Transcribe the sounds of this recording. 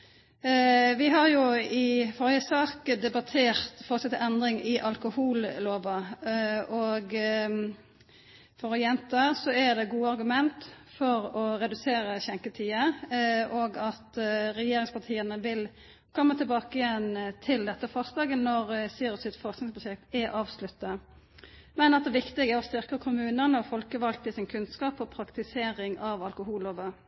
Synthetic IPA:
ʋɪɦɑɾjʊɪfoːɾjəsɑːkəd̪ɛbɑt̪ʰeːɾt̪fɔʁsɑt̪ːɛnd̪ɾɪŋɪʔɑlkʊhuːlloːʋɑ | ɔɡ | fɔʁɔjɛnt̪əsɔɛd̪ɛɡuːəɑɾɡʉmɛnt̪ | fɔɾɔɾɛd̪ʉseːɾəçɛŋkət̪ʰiːəʔoːɡɑt̪ɾɛjeːɾɪŋspʰɑt̪ʰiːənəʋɪl | kʰɔmːət̪ʰɛlbɑːkəɪjɛnt̪ʰɪld̪ɛt̪ːəfɑsd̪ɑːɡənɔɾsiːɾɔsɪt̪fɔʁsknɪŋspʰɾʊʃɛk̚t̪ɛʔɑːʋslʉt̪ːə | mɛnɑt̪d̪ɛʋɪkt̪ɪɡəæːɾɔst̪ɪʁkəkʰʊmʉːnənəɔfɔlkəʋɑlt̪əsɪnkʰʉnskɑːpɔpʰɾɑkt̪ɪseːɾɪŋɑʋɑlkʊhuːloʋə

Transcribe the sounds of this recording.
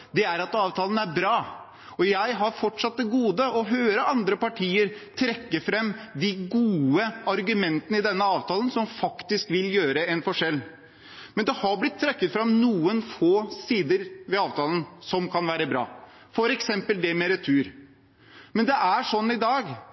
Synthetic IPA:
d̪ɛæɾɑt̪ɑːʋt̪ʰɑːlən̩æɾbɾɑː | ɔjæɪɦɑɾfɔʈʂɑt̪̚d̪ɛɡuːd̪əɔɦøːɾəɑnd̪ɾəpɑʈʰiːəɾt̪ʰɾɛkːəfɾɛmːd̪ɪɡuːəɑɾɡʉmɛnt̪ənəɪd̪ɛnːəɑːʋt̪ʰɑːlənsɔmfɑkt̪ɪskʋɪljøːɾəɛnfɔʂɛlː | mɛnd̪ɛhɑɾblɪt̪ʰːɾɛkːət̪fɾɑmnuːənfoːsiːd̪əɾʋɛɑːʋt̪ʰɑːlənsɔmkʰɑnʋæːɾəbɾɑ̰ː | fɔɾɛksɛmpəld̪ɛmɛɾət̪ʰʉːɾ | mɛnd̪ɛʔæʂɔnːɪd̪ɑːɡ

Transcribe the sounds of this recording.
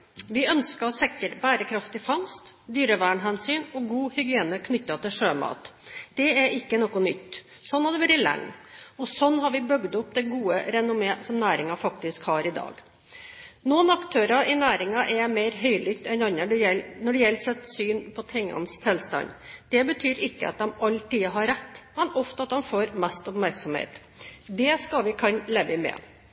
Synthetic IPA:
ʋɪœnskəɔsɛkːəɾbæːɾəkʰɾɑft̪ɪfɑŋst̪d̪yːɾəʋæːɳɦɛnsyːnɔɡuːhʏɡɪeːnəkʰnʏt̪ːɑt̪ɪlʂøːmɑ̰ːt̪d̪̥ɛɛɾʔɪkːənɔkːʊnʏt̪ː | sɔnːɑd̪ɛʋæɾɪlɛ̰ŋːɔsɔnːhɑɾʋɪbœɡd̪ʊpd̪ɛɡuːəɾɛnʊmeːsɔmnæːɾɪŋɑfɑk̚t̪ɪskhɑɾɪd̪ɑ̰ːɡ | nuːnɑkt̪ʰøːɾɑʔɪnæːɾɪŋɑʔɛmeɪɾɦœʏlʏkt̪ɛnɑnːəɖɛjɛlnɔɖɛjɛlːsɛt̪syːnpʰɔt̪ʰɪŋːɑ̰nst̪ʰɛlst̪ɑ̰nd̪̥ɛbət̪ʰyːɾɪkːə̰ɑ̰t̪̚d̪ɛmɑlʈ̪iːɦɑɾɾɛt̪ːmɛnɔft̪əɑt̪̚d̪ɛmfoːɾmɛst̪ʊpmæɾksɔmhḛːt̪ | d̪ɛskɑlʋɪkʰɑnleːʋːɪmɛ̰

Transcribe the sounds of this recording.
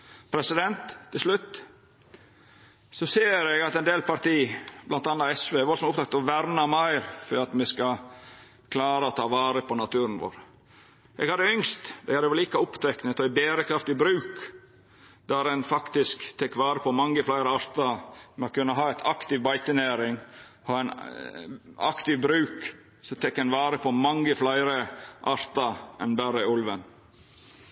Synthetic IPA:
pʰɾɛsɪd̪ɛnt̪ʰːɪlʂlʉt̪ː | sɔseːɾɛɡɑt̪ɛɪnd̪eːlpɑɾt̪iːblɑnt̪ɑnːɑɛsʋeːɛʋɔlsɔmʊpt̪ɑk̚t̪ɔʋæɾnɑmæɪɾfɔɾɑt̪mɛskɑ | kʰlɑːɾəɔt̪ʰɑːʋɑːɾəpʰɔnɑt̪ʰʉːɾənʋo̰ːɾ | ʔɛ̰ɡhɑd̪ːəʏŋst̪d̪ɛhæːɾɛʋliːkɑʊpt̪ʰɛknət̪ɔɪbeːɾəkʰɾɑft̪ɪbɾʉːk | d̪æɾɛnfɑkt̪ɪskt̪ʰɛkːʋɑːɾəpʰɔmɑŋːəflæɪɾəɑɾt̪ɑmɛɔkʉnːəɦɑːɛɪt̪ʰɑkt̪ɪʋbɑɪt̪ənæːɾɪŋ | hɑːɛn | ɑ̰kt̪ɪʋbɾʉːk | sɔt̪ʰɛkːɛnʋɑːɾəpʰɔmɑŋːəflæɪɾəʔɑɾt̪ɑɛ̰nbæɾəʊlʋən

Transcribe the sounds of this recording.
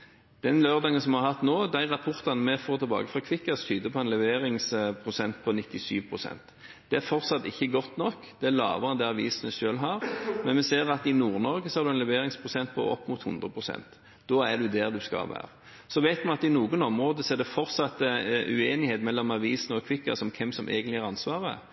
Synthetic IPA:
d̪̥ɛnløːʁd̪ɑːŋənsɔmhɑɾhɑt̪noːd̪æɪʁɑpʰɔʁt̪ɑnmɛfoːɾt̪ʰɪlbɑ̰ːɡəfʁɑkʰʋɪkːɑst̪ʰyːd̪əpʰɔɛnlɛʋeːɾɪŋspʰʁʊsɛnt̪pʰɔnɪt̪ːɪsyːʋpʰʁʊsɛ̰nt̪ | d̪̥ɛæɾfɔʁsɑt̪ːɪçːəɡɔt̪nɔkː | d̪̥ɛælɑ̰ːʋəɑnd̪æɑʋḭːsnəʃøːlɦɑːʁmɛnmɛseːɾɑt̪ɪnuːʁnɔɾɡəsɔhɑɾd̪ʉɛnlɛʋeːɾɪŋspʰʁʊsɛnt̪̚pʰɔ̰ʔɔ̰pːmʊt̪hʉnd̪ʁəpʰʁʊsɛ̰nt̪ | d̪̥ɔːæd̪ʉd̪ɛʁd̪ʉskɑ̰lʋæ̰ːɾə | sɔʋæɪt̪mɛnɑt̪ɪnuːɡənɔmʁoːd̪əsɔɛd̪ɛfɔʁsɑt̪əʉ̰eːnɪheːt̪mɛlːɔmɑʋiːsənɔkʰʋɪkːɑ̰sɔmkʰɛmsɔmʔḛːɡənt̪lɪæɾɑnsʋɑːʁə̰

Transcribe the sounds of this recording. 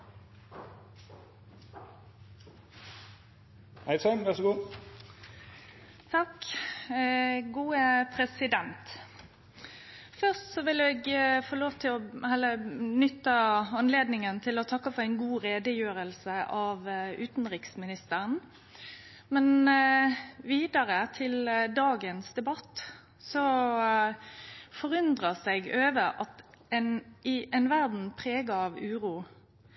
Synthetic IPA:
hæɪsœmʋæʁʂɡuː | t̪ʰɑk | ɡuːəpʰʁɛsɪd̪ɛnt̪ | fœʁst̪sɔʋɪleːɡfoːloːʋt̪ʰɪlɔhɛlːənʏt̪ːəɑnleːd̪nɪŋənt̪ʰɪlɔt̪ʰɑkːɑfɔʁæɪnɡuːʁeːd̪əjøːɾəlsəʔɑʋʉːt̪nɾɪksmɪnɪst̪əʁn | mɛn | ʋiːd̪ɑɾət̪ʰɪld̪ɑːɡənsd̪ɛbɑt̪ː | sɔ | fɔʁʉnd̪ʁəsæɪɡøːʋəɾɑt̪ɛnɪʔɛnʋæʁd̪n̩pʰʁeːɡɑɑʋʉːɾuː

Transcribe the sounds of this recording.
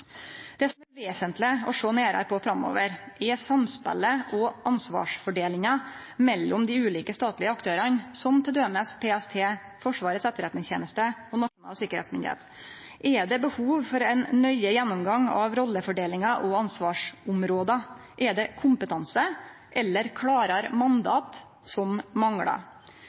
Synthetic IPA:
d̪̥ɛsɔmæɾʋeːsənt̪lɪɔʂoːneːɾɑ̰ɾpʰɔfɾɑmo̰ːʋəɾʔɛsɑmspæ̰ləʔɔɑnsʋɑ̰ːʂfɔɖeːlɪŋɑ | mɛlːɔmd̪ɪʉːliːkəst̪ɑːt̪lɪəɑkt̪ʰøːɾɑnsɔmt̪ʰɪld̪øːməspʰeːɛst̪ʰeː | fɔʂʋɑːɾət̪sɛt̪ːəɾɛt̪nɪŋçḛːnəst̪əɔnɑʂʊnɑ̰ːsɪkəɾɛ̰t̪smɪnd̪ɪ̰hḛːt̪ | ʔɛɖ̪ɛbəhuːʋfɔɾɛɪnnœʏəjɛnːʊmɡɑŋɑ̰ʋɾɔlːəfɔɖeːlɪŋɑʔɔɑnsʋɑːʂʊmɾoːd̪ɑ | ʔɛd̪ɛkʰʊmpət̪ʰɑnsə | ʔɛlːəɾkʰɽɑːɾɑɾmɑnd̪ɑ̰ːt̪ | sɔmːɑŋɽɑ̰

